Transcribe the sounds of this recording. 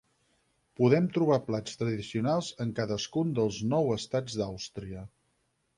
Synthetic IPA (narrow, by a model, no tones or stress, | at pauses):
puðɛmt̪ɾuβ̞aplat͡st̪ɾəðisiunalˠzəŋkaðəskund̪əlˠznɔwəst̪ad͡zd̪awst̪ɾiə